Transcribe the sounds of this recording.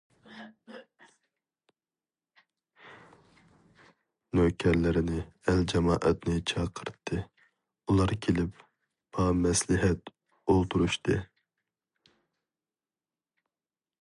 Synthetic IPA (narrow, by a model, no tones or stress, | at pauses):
nøkʲʰɛɾlɪɾɪnɪɛld͡ʒɑmɑːʔɛt̪nɪt͡ʃʰɑqʰəɾt̪ʰːɨ | ulˠɑɾkʲʰelɪp | b̥ɑmɛslɪɦɛt̪ | olˠt̪ʰuɾuʃt̪ʰɨ